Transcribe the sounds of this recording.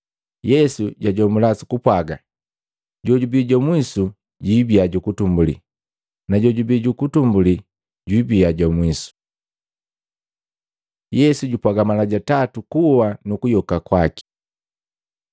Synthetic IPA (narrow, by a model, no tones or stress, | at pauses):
jɛsuɟaɟɔmulasu̥kupwaɡa | ɟɔɟubiɟamwisu | ɟibiaɟukutumbulḭ | naɟɔɟubiɟukutumbuli | ɟwibiaɟamwisu̥ | jɛsuɟupwaɡamalaɟatatukuwanukujɔkakwaki̥